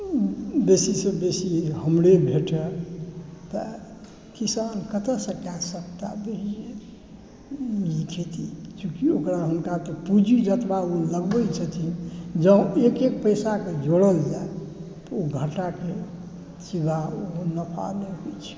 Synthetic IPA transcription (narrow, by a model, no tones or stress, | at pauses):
besisəbbesihəmɾebʱeʈe | t̪ə̰ | kisankət̪əsəkasək̚t̪a̰beie | jikʰet̪it͡ʃũkiokɾaɦunkat̪əpud͡ʒid͡ʒət̪bauləɡbəjt͡ʃʰət̪ʰid͡ʒə̃ekekpəjsaked͡ʒoɽəld͡ʒae | t̪əoɡʱəʈake | t͡ʃibaonəpʰa̰neɦot͡ʃʰi̥